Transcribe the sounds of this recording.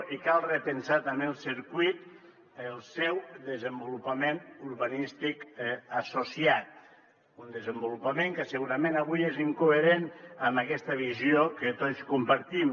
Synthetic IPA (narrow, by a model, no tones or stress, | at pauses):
ikalˠrəpənsat̪ambelˠsiɾkwit̪ | əlˠsɛwðəzəmbulupamenuɾβanist̪ikasosiat̪̚ | und̪əzəmbulupameŋkəsəɣuɾamenaβ̞ujeziŋkueɾenəmakɛst̪aβ̞iziokət̪ot͡skumpaɾt̪im